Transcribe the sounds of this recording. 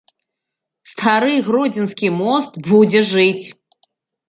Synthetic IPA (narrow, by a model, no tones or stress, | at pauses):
st̪ʰaɾɨjɣrɔd͡zʲɪnskʲimɔst̪bud͡zʲɛʐɨt͡sʲ